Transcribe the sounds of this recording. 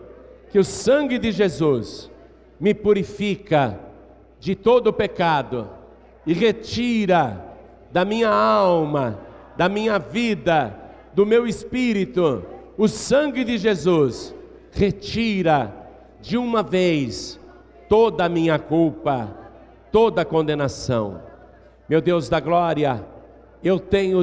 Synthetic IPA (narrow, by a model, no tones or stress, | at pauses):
kɪʊsɐ̃ɡɪd̪ɪʒezus | mɪpuɾifikɐ | d͡ʒɪt̪od̪ʊpekad̪ʊ̰ | ɪʁet͡ʃiɾɐ | d̪ɐmĩɲɐawmɐd̪ɐmĩɲɐvid̪ɐ | d̪ʊmewɪspiɾit̪ʊʊsɐ̃ɡɪd͡ʒɪʒezus | ʁet͡ʃiɾɐ | d͡ʒɪũmɐvejs | t̪od̪ɐmĩɲɐkuwpɐ | t̪od̪ɐkõnd̪enasɐ̰̃w̃ | mewd̪ewzd̪ɐɡlɔɾiɐ | ewt̪ẽɲʊ